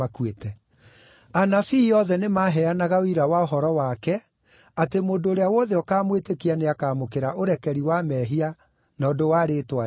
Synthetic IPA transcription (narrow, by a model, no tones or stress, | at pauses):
akwetɛ | anafiːɔðɛnemaːɦɛanaɣaoiɾawaoɦɔɾɔwakɛ | atemoːndoːɾeawɔðɛɔkaːmwetekianeakaːmokeɾaʔoɾɛkɛɾiwamɛɦia | nɔdowaɾeːtwa